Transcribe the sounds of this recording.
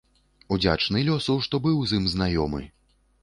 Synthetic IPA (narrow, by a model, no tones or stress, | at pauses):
ud͡zʲa̰t͡ʂnɨlʲɔsuʂt̪ɔbɨwzɨmznajɔmɨ̰